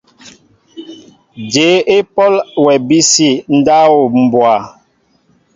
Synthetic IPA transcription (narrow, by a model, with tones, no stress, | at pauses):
d͡ʒe˨˦e˦pɔ˦lwɛ˨bi˦si˦˨n̩˦da˦wo˨m̩˨bwa˨